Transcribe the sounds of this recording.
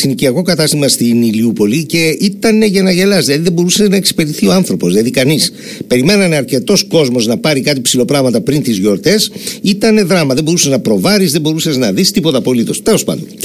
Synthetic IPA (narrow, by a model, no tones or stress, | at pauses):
iniciɐko̞kɐt̪ɐst̪imɐst̪iniliupo̞lice̞it̪ɐne̞ʝɐnɐʝe̞lɐsðilɐðiðebo̞ɾusɐznɐeksi̥pe̞ɾiθio̞ɐnθɾo̞po̞zðilɐðikɐnis | pe̞ɾime̞nɐneɐɾce̞t̪o̞sko̞zmo̞znɐpɐɾikɐt̪ipsilo̞pɾɐɣmɐt̪ɐpɾint̪izʝo̞ɾt̪e̞sit̪ɐne̞ðɾɐmɐðebo̞ɾusɐznɐpɾo̞vɐɾizðebo̞ɾusɐznɐðist̪ipot̪ɐpo̞lit̪o̞st̪e̞lo̞spɐ̰nd̪on